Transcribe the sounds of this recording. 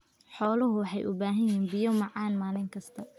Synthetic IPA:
ħɔːlɐɦʊwɑħɑjʔʊ̰baːɦɐjiːnbɪjɔmɑʕɑːnmaːlɪŋkʰɐst̪ʰɐ

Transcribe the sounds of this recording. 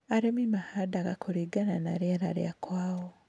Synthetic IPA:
aɾemimahadaɡakʰoɾiɡananaɾeɾa̰ɾj̰akwaːwo

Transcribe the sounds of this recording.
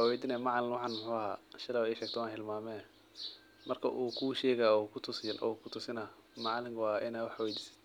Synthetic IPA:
wɛːd̪ɪnɛmɑʕlɪnwɑħɑːnmʊħʊːɐɦa̰ːʃɐlɐːwɛjʃɛːɡkt̪ʰɔwaːnhɪlmaːmɛː | mɐrkʰɐʔuːkʰuːʃɛːɣɐkʰʊt̪ʰʊsɪnʔɔ̰kʰʊt̪ʰʊsɪnɐ | mɑʕlɪŋkʰwɑːʔɪnaːwɑħwɛːd̪ɪsɪ̥

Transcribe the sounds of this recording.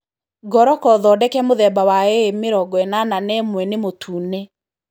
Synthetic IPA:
ɡɔɾɔkɔðɔdɛkɛmoðɛbawaemeɾɔɡɔɛnananɛmwɛnemotʰuːne

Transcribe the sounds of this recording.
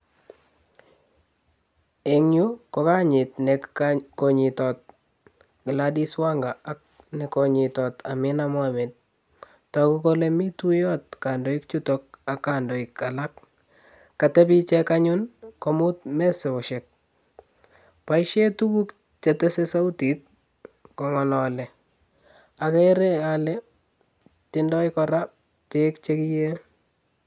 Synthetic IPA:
eŋɲʊkɔkaɲɪtnɛkkɔɲɪtɔt̚ | ɡɪladiswaŋɡaak̚ | nɛkɔɲɪtɔtamɪnamwamet̚ | takukolemitujɔt̚kandɔɪkt͡ʃutɔk̚akːandɔɪkalak | kːatɛpit͡ʃɛkaɲʊnkomʊt̚mɛseoʃek̚ | paiʃetukuk | t͡ʃetɛsesautit̚ | kɔŋɔlɔlɛ | akɛɾealɛ | tɪndɔikɔɾa | pekt͡ʃekije

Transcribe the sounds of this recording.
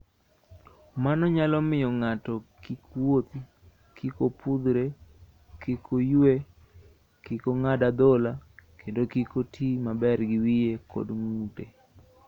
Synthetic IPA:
manɔɲalɔmɪjɔŋatɔkikwot̪ | kikopud̪ɾe | kikʰojwe | kikoŋadad̪ɔlakendokikotʰimabɛrɡɪwijekʰo̰dŋute

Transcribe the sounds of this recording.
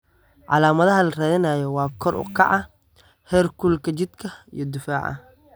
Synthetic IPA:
ʕɑ̰laːmɐðɐɦɐlɐrɛːðɪnaːjɔwɑːkʰɔrʔʊ̰kʰɑ̰ʕɑ | hɛːrkʰulkʰɐt͡ʃɪd̪kʰɐḭjɞd̪ɪfaːʕɐ̰

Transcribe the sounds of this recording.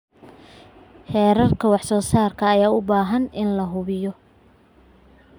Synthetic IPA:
hɛːɾɐrkʰɐwɑħsɔːsaːrkʰɐːjaːʊbaːɦɐnʔɪnlɐɦʊβɪjɔ

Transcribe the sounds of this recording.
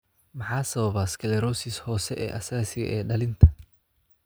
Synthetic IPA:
mɑħɑːsɐβɐβɐːskʰɛlɛɾɔːsɪshɔːsɛʔɛ̰ːʔɐsaːsɪɣɐ̰ʔɛːɖɐlɪnt̪ʰɐ

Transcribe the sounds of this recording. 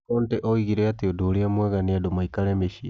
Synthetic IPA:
kɔntɛʔɔiɣiɾɛateodoːɾeamwɛɣaneadomaikaɾɛmeʃi

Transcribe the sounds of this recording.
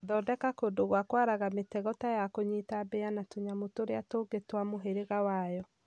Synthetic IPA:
ðɔdɛkakodoɣwakwaɾaɣametɛɣɔtajakoɲitabeanatuɲamotoɾeatoːɡetwamoɦeɾeɣawajɔ

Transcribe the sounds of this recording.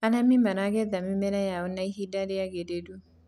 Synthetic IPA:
anamimanaɣɛðamimɛnajaɔnaiɦidaɾiaɣededu

